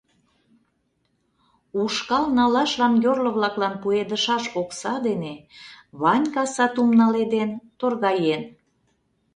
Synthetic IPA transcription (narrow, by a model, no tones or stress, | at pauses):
uʃkɑlnɑlɑʃlɑmjorlə̆βlɑklɑnpued̪əʃɑʃoksɑd̪eneβɑnʲkɑsɑt̪umnɑled̪ent̪orɣɑjen